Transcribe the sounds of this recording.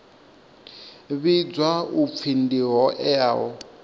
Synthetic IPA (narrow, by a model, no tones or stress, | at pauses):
βid͡zwaup̪fʰindiɦɔʔɛaɦɔ